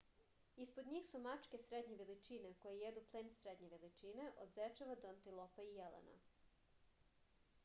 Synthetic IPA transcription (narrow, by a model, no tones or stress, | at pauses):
ispod̪ɲiːxsumat͡ʃke̞sɾed̪ɲeʋelit͡ʃinekojejed̪uplˠeːnsɾed̪ɲe̞ʋelit͡ʃine̞ʔo̰d̪zet͡ʃaʋad̪oant̪ilˠopaijelḛna̰